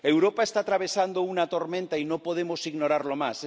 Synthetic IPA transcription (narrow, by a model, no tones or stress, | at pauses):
ewɾopaest̪at̪ɾaβ̞esand̪ounat̪oɾmẽnt̪ainõpoð̞emosiɣnoɾaɾlomas